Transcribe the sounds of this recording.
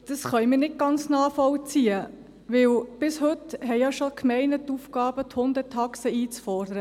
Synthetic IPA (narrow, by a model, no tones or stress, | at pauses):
d̥ɑsχœɥmənɪt̚ɡ̥ɑnt͡snɑːfɔwt͡siə | ʋɪwb̥ɪshɵtɦɛɪɑʃokʰmɛɪnətːufɡ̥ɑːb̥əthʊnd̪ətʰɑksəiːt͡sfɔrdəɾə